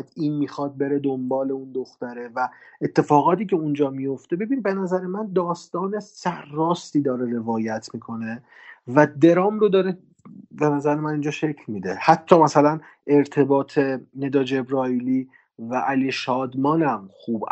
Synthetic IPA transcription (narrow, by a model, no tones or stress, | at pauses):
d̪iːnmiːxɒːd̪̚be̞ɾe̞d̪o̞mbɒːle̞und̪oxt̪æɾe̞væet̪ʰːe̞fɒːɣɒːt̪iːce̞und͡ʒɒːmijo̞ft̪ebe̞binbe̞næzæɾemænd̪ɒːst̪ɒːne̞sæɾːɒːst̪iːd̪ɒːɾe̞ɾe̞vɒːjæt̪ʰmiːkʰo̞ne̞ | væd̪e̞ɾɒːmro̞d̪ɒːɾe | be̞næzæɾemæniːnd͡ʒɒːʃe̞cʰlmiːd̪ehæt̪ʰːɒːmæsælæn | e̞ɾt̪ʰe̞bɒːt̪ʰe̞ne̞d̪ɒːd͡ʒe̞bɾɒːili | væʔæliʃɒːd̪mɒːnæmxuːb